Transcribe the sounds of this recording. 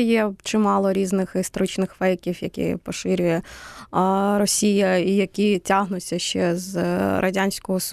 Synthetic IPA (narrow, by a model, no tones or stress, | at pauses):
jɛt͡ʃɪmɑlˠɔɾʲiznɪxɪst̪ɔɾɪt͡ʃnɪxfɛjkʲiwjɐkʲḭpɔʃɪɾʲʊjɛ | ɾɔsʲijɐijɐkʲitʲaɦnʊt͡sʲːɐʃt͡ʃɛzɾɐ̰dʲanʲsʲkɔɦɔs